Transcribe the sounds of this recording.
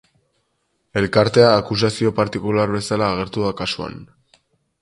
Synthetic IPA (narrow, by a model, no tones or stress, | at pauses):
e̞lkaɾt̪e̞aːkus̬asio̞paɾt̪ikulaɾβe̞salaːɣ̞e̞ɾt̪uðakasua̰n